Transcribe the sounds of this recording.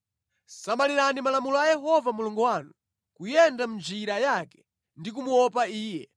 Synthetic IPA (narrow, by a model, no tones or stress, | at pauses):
samaliɾanimalamulɔajɛɦɔvamulɔŋɡɔwanu | kujɛndam̩d͡ʒiɾajakɛ̥ | ndikumuwɔpaiːjɛ